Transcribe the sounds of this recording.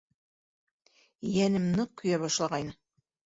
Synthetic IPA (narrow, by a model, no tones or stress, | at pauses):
jænɘ̆mnɤkɵ̆jæbɒʃlˠɑʁɑjnɤ